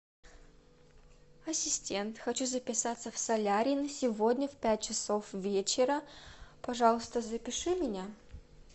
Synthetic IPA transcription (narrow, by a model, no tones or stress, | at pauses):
ɐsʲɪsʲtʲe̞nt̪xɐt͡ɕuzəpʲɪsat̪səfsɐlʲaɾʲɪnəsʲɪvodʲnʲəfpʲæt̚ʲt͡ɕɪsofvʲet͡ɕɪɾəpɐʐɑlˠəst̪əzəpʲɪʂɨmʲɪnʲa